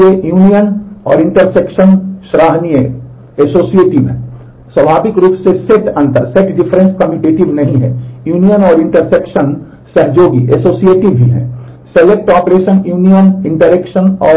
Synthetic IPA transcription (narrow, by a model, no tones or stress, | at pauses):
ejuːnijənɔːɾɪ̃ɳʈəɾsekʃənʃɾaːɦnijə | esoːsieːʈɪʋɛ̰̃ | swɐbʱaːbɪkɾuːpseseʈɐ̃nt̪əɾseʈɖɪfʰɾẽnskɐmiʈeːʈɪʋnɐɦĩɦɛ̰̃juːnijənɔːɾɪ̃ɳʈəɾsekʃən | sɐɦd͡ʒoːɡḭʔesoːsieːʈɪʋʱiɦɛ̰̃ː | selek̚ʈɔːpɾeːʃənjuːnijənɪ̃ɳʈəɾekʃənɔː